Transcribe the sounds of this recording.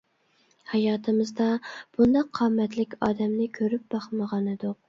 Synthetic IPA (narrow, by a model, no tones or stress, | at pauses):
hɑjɑːt̪ʰɨmɨzd̪ɑb̥und̪ɑqʰːɑːmːɛt̪lɪkʲɑːd̪ɛmnɪkʲʰøɾyp̚bɑχməʁɑnɨd̪ʊq